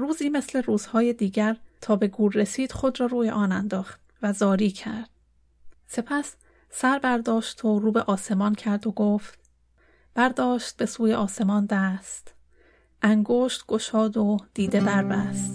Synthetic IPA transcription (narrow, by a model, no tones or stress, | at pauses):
ruːziːme̞sle̞ɾuːz̥hɒːjed̪iːɟæɾt̪ʰɒːbe̞ɡuːɾːe̞siːd̪̥xo̞d̪rɒːɾuːjḛʔɒːnænd̪ɒːxt̪ | væzɒːɾiːcʰæ̰ɾd̪̥̚ | se̞pʰæs | sæɾbæɾd̪ɒːʃt̪ʰoɾuːbe̞ʔɒːse̞mɒːncʰæɾd̪o̞ɡoːft̪̚ | b̥æɾd̪ɒːʃt̪̚be̞suːjeʔɒːse̞mɒːnd̪æst̪ | ʔæŋɡoːʃt̪ɡ̥o̞ʃɒːd̪o̞d̪̥iːd̪e̞bæɾbæst̪